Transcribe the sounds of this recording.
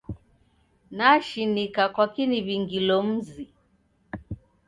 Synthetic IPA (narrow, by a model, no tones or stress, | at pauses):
naʃinikakwakiniβiŋɡilɔm̩zi